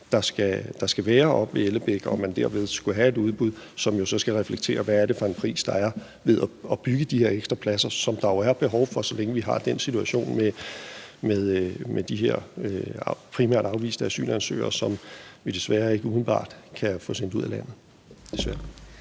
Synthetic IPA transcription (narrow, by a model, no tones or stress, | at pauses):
d̥ɑ̈sɡ̥æd̥ɑ̈sɡ̥æʋɛːɐʔɒ̽b̥ʋeeləb̥eɡ̥ɐɒmænd̥eɐʋe̝ð̞ˠsɡ̥uɦæe̝duð̞ˠb̥uðˠsɒ̽mjo̝sɒ̽sɡ̥æʁɛfleɡ̥̚t͡sʰe̝̰ːɐʋææɐɾe̝fɒ̽e̝npʰʁḭːsd̥ɑ̈æɐ | ʋe̝ðˠæɒ̽b̥yɡ̥əd̥ihe̝ɐeɡ̥sd̥ʁɐpʰlæsɐsɒ̽md̥ɑ̈joæɐb̥e̝ɦɒʊfɒ̽sɒ̽leŋəʋiɦɑ̈d̥en̰sit͡sʰuæɕo̝̰ːnme | með̞ˠmʔed̥iɦe̝ɐ̰ | pʰʁimæ̰ɐ̰d̥ɑ̈ʊʋḭːsnəæsy̰ːlnænsø̰ːɐsɒ̽mʋid̥e̝sʋæːɐe̝ɡ̥əuːmˠn̩b̥ɑ̰̈ːd̥kʰæfɔ̽sen̰d̥uð̞̰ˠælæn̰ð̩ˠ | d̥e̝sʋæːɐ